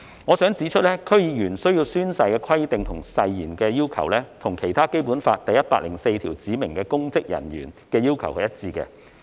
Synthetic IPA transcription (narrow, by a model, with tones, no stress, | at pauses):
ŋɔː˨˧sœː˨˥ŋt͡siː˨˥t͡ʃʰɵ˥t̚lɛː˥kʰɵ˥ɥjiː˨˧jyː˨˩nsɵ˥ɥji˧wsyː˥nsɐ˧jkɛː˧kʰɐ˥jt̪ɪ˨ŋt̪ʰʊ˨˩ŋsɐ˧jjiː˨˩nkɛː˧jiː˥wkʰɐ̰˨˩wlɛ˥t̪ʰʊ˨˩ŋkʰe˨˩jt̪ʰaː˥ke˥jpuː˨˥nfaː˧t̚t̪ɐ˨jɐ˥t̚paː˧k̚lɪ̰˨˩ŋse˧jt̪ʰiː˨˩wt͡siː˨˥mɪ˨˩ŋkɛː˧kʊ˥ŋt͡sɪ˥k̚jɐ̰˨˩njy̰ː˨˩nkɛː˧jiː˥wkʰɐ˨˩whɛ˨˧jɐ˥t̚t͡siː˧kɛ̰˧